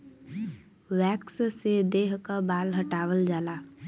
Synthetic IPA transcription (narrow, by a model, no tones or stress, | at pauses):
wɛːkssed̪eːɦkabaːlɦəʈaːwəld͡ʒaːlaː